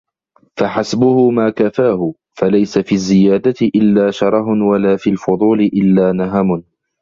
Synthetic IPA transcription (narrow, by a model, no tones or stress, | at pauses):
faħasbʊhʊmaːkafaːhʊ | falajsafiːazːɪjaːd̪at̪ɪʔɪlːaːʃɑɾˤɑɦʊnwalaːfiːlfʊd̪ˤuːlɪʔɪlːaːnaɦamʊn